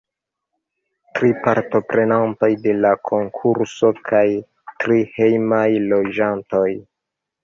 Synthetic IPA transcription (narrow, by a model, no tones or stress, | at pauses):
tɾipaɾto̞pɾe̞nantojde̞lakʰo̞ŋkʰuɾso̞kʰaj | tɾihe̞jmajlo̞d͡ʒanto̞j